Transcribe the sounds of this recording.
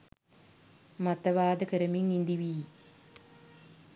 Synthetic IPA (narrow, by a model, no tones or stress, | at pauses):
mat̪ɐʋaːd̪əkəɾəmiŋind̪iʋiː